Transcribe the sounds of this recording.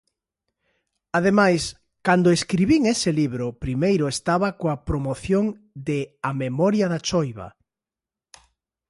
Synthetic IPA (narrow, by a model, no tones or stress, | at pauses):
aðemajs | kand̪ʊeskɾiβiŋesɪliβɾʊpɾimejɾʊest̪aβɐkoapɾomoθjoŋ | d̪ɪamemɔɾjɐðat͡ʃojβɐ̰